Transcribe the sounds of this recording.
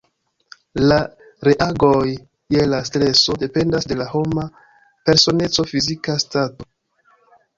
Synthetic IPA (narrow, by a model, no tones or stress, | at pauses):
la | ɾe̞ʔaɡo̞j | jelastɾe̞so̞de̞pe̞ndasde̞laho̞ma | pe̞ɾso̞ne̞t͡so̞fizikastato̞